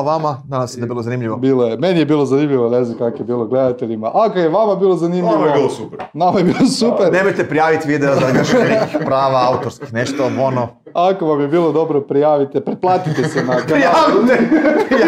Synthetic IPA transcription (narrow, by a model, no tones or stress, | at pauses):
ʋamananasjed̪abilˠozanimʎiʋobiːlˠojeme̞nijebiːlˠo̞zanimʎiʋonezokakoje̞biːlˠoɡle̞d̪at̪eʎimaʔakojeʋamabiːlˠozanimʎiʋobilosupɾnamojebiːlˠosupeɾnemojt̪epɾijaːʋit̪ʋid̪eozaiaʃnekixpɾaːʋaaut̪oɾskixneʃt̪oono | ako̞ʋamjebiːlˠod̪o̞bɾopɾijaːʋit̪epɾeplˠaːt̪it̪esenaakɾijaʋit̪e